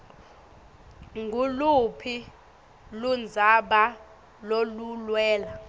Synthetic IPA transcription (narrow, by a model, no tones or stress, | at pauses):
ŋɡʱulupʰi | lund͡zʱaɓa | lolulwɛːla